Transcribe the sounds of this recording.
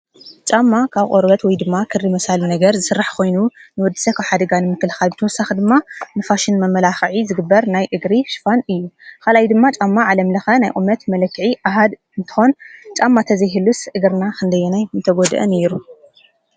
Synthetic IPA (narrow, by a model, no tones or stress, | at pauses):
t͡ʃʼamːakʰaβqʼoɾbɐt̪wɔjd̪ɨmːakʰɨrːimɐsalnɐɡɐɾzɨsɨrːaħkʰo̞jnunɨwɔd̪ːi̥sɐkʰaβħad̪ɐɡanɨmɨkːɨlxalbɨt̪ʰɐwɔsːaxd̪ɨmːanɨfaʃɪnmɐmːɐlaxʕizɨɡɨbːɐɾnajʔɨɡɾiʃɨ̥fanɨjːukʰalajd̪ɨmːat͡ʃʼamːaʕalɐmlɐxɐnajʔʼṵmɐt̪mɐlɐkːɨʕiʔaɦad̪ | ɨnt̪ʰɨ̥xo̞nt͡ʃʼamːat̪ʰɐzɐjɦɨlːusʔɨɡɨɾnakʰɨnd̪ɐjɛnajɨnt̪ʰɐɡo̞d̪ʔɨ̰nɛɾu